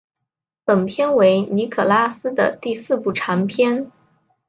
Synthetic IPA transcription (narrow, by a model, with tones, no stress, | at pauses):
pə˨˩npʰjɛ˥nwe˧˥ɪni˧˥kʰɤ˨˩la˥sɹ̩˥d̪ə̰˨t̪i˥˧sɹ̩˥˧pu˥˩ʈ͡ʂʰa˧˥ŋpʰjɛ˥n